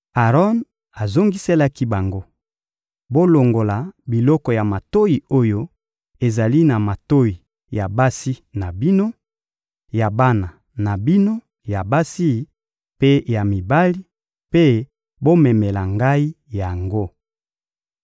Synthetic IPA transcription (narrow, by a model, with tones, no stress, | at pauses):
a˨ʁɔ˦n | a˨zo˦ŋɡi˦se˦la˦ki˦ba˨ŋɡo˦ | bo˦lo˨ŋɡo˨la˨bi˨lɔ˦kɔ˨ja˨ma˨to˦ji˨o˦jo˦ | e˨za˨li˦na˨ma˨to˦ji˨ | ja˨ba˦si˦na˨bi˦no˦ | ja˨ba˦na˨ | na˨bi˦no˦ | ja˨ba˦si˦˨˦ | pe˦ja˨mi˨ba˦li˦ | pe˦ | bo˦mɛ˨me˨la˨ŋɡa˦i˦ | ja˨ŋɡo˦